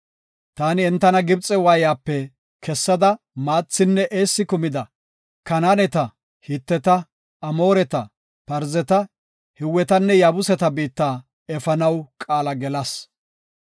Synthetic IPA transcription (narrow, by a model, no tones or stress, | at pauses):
t̪aːnɪɛnt̪ːɐnɐɡɪbt͡sʼɛwaːjaːpːɛ | kʰɛsːɐd̪ɐ | maːt͡sːɪnːɛʔeːsːɪkʊmɪd̪ɐ | kɐnaːnɛt̪ɐ | hɪt̪ːɛt̪ɐ | ɐmo̞ːɾɛt̪ɐ | pɐɾzɛt̪ɐ | hɪwːɛt̪ɐnːɛjaːbʊsɛt̪ɐbiːt̪ːaː | ɛfɐnɐwkʼaːlɐɡɛlɐs